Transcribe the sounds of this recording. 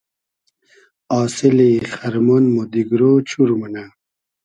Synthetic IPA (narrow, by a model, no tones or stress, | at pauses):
aːsiliχɐɾmonmod̪iɡɾot͡ɕʰuɾumuna